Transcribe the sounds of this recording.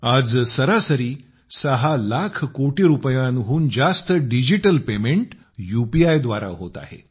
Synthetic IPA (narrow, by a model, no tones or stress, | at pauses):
ad͡zsəɾasəɾiː | səɦalakʰkoʈiɾupəjãnɦuːnd͡zast̪əɖid͡ʑiʈəlpemeɳʈ | jupiajd̪ʋaɾa̰ɦot̪a̰ɦḛ